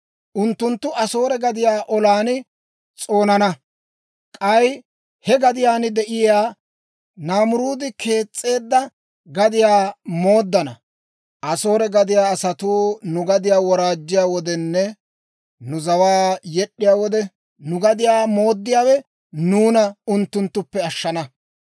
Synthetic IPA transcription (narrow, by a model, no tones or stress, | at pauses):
ʔʊnt̪ːʊnt̪ːʊʔɐso̞ːɾɛɡɐd̪ɪjaːʔɔlaːnɪ | t͡sʼo̞ːnɐnɐ | kʼɐj | hɛɡɐd̪ɪjaːnɪd̪ɛʔɪjaː | naːmʊɾuːd̪ɪkʰe̞ːt͡sʼːe̞ːd̪ːɐ | ɡɐd̪ɪjaːmo̞ːd̪ːɐnɐ̰ | ʔɐso̞ːɾɛɡɐd̪ɪjaːɐsɐt̪uːnʊɡɐd̪ɪjaːwɔɾaːd͡ʒːɪjaːwɔd̪ɛnːɛ | nʊzɐwaːjɛɗːɪjaːwɔd̪ɛ | nʊɡɐd̪ɪjaːmo̞ːd̪ːɪjaːwɛ | nuːnɐʊnt̪ːʊnt̪ːʊpːɛɐʃːɐnɐ